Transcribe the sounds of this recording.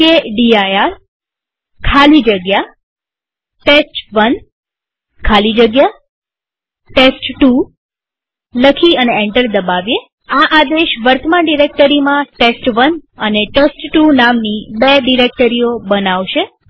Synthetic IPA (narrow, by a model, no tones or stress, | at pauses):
keɖiajaɾ | kʰalid͡ʒəɡja | ʈesʈʋən | kʰalid͡ʒəɡja | ʈesʈʈu | ləkʰiəneeɳʈəɾd̪əbaʋje | aʔad̪eʃʋəɾt̪ʰəmaɖiɾek̚ʈəɾimãʈesʈʋənəneʈesʈːunamnibeɖiɾek̚ʈəɾijobənaʋʃe